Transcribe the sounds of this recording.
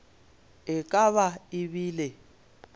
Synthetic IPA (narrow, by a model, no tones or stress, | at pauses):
ɪkʼaβaɪβiːle